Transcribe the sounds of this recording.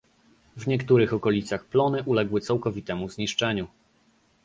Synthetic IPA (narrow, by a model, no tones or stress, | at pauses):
vɲɛkt̪uɾɘxɔkɔlʲit̪saxplɔnɘʔulɛɡwɘt̪sawkɔvʲit̪ɛmuzɲiʂt͡ʂɛɲu